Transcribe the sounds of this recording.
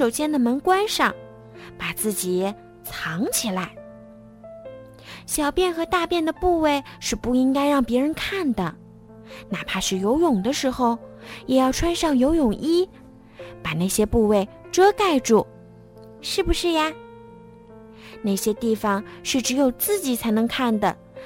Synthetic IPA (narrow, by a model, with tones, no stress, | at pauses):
ʂo˨˩ʊɕjɛ˥nd̪ə˨mə˧˥nkwa˥nʂɑ˥˧˩ŋ | pa˨˩t͡sɹ̩˥˩t͡ɕi˨˩ | t͡sʰɑ˧˥ŋt͡ɕʰi˨˩la˧˥ɪ | ɕjɑ˨˩ʊpjɛ˥˩nxɤ˧˥t̪a˥˧pjɛ˥˩nd̪ə˩pu˥˧we˥˧ɪʂɻ̩˥˧pu˥˩i˥ŋka˥ɪɻɑ˥˩ŋpjɛ˧˥ɻə˧˥nkʰa˥˩nd̪ə˩ | na˨˩pʰa˥ʂɻ̩˥˩jo˧˥ʊjʊ˨˩ŋd̪ə˦ʂɻ̩˧˥xo˥˧ʊjɛ˨˩jɑ˥˩ʊʈ͡ʂʰwa˥nʂɑ˥˩ŋjo˧˥ʊjʊ˨˩ŋʔi˥ | pa˨˩na˥˩ɕjɛ˥pu˥˧we˥˩ɪ | ʈ͡ʂɤ˥ka˥˧ɪʈ͡ʂu˥˩ | ʂɻ̩˥˩bu˩ʂɻ̩˥˩ja˨˩ | na˥˩ɪɕjɛ˥t̪i˥˩fɑ˨˩ŋʂɻ̩˥˩ʈ͡ʂɻ̩˧˥jo˨˩ʊt͡sɹ̩˥˩t͡ɕi˨˩t͡sʰa˧˥ɪnɤ˧˥ŋkʰa˥˩nd̪ə˩